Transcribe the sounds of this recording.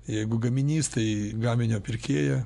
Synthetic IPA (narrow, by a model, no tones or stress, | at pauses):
jɛɪɡʊɡɐmʲɪnʲiːst̪ɐɪɡɑːmʲɪnʲoːpʲɪɾʲkʲeːjɛ